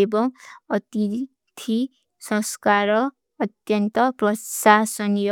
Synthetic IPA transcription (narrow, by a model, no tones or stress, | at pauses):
ebʌ̃ʌt̪i | t̪ʰi | sʌ̃skaɾʌː | t̪jʌnt̪ʌprʌsasʌnjo